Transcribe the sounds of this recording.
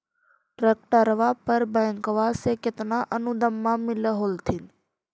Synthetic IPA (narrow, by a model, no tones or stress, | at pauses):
ɾək̚ʈəɾʋaːpəɾbəŋkʋaseːkɪt̪naʔənud̪əmːãːmɪləɦoːlt̪ʰin